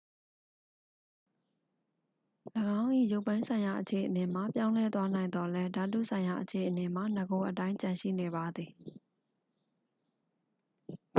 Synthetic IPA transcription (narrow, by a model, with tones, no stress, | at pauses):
ləɡã˦ʊ̃ʔḭ˦˨jo˦ʊʔpːã˦ɪ̃sʰã˨ɪ̃ja˨ʔət͡ɕʰe˨ʔəne˨m̥a˨pjã˦ʊ̃lɛ˦t̪wa˦nã˨ɪ̃nd̪ɔ˨lɛ˦da˨tṵ˦˨sʰã˨ɪ̃ja˨ʔət͡ɕʰe˨ʔəne˨m̥a˨nə˨ɡo˨˦ʔət̬ã˦ɪ̃ɲt͡ɕã˨ʃḭ˦˨ne˨ba˨d̪ði˨